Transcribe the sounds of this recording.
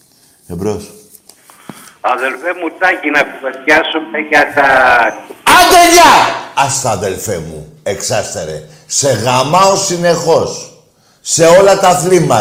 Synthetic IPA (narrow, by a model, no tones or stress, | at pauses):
ebɾos | ɐðelfemut̪ɐcinɐkuveljɐsumeʝɐt̪ɐ | ɐd̪eʎɐɐst̪ɐːðe̞lfemṵeksɐst̪eɾe̞̰ | se̞ɣɐmɐo̞sine̞xo̞sː | e̞o̞lɐt̪ɐθlimɐ